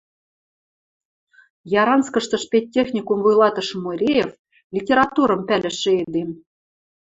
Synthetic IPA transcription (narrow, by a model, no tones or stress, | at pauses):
jɑɾɑnskɤ̆ʃt̪ɤ̆ʃpʲet̚ʲːexnʲikumvujlˠɑt̪ɤ̆ʃmuɾʲejef | lʲitʲeɾɑt̪uɾɤ̆mpʲælʲɘ̆ʃɘ̆ed̪em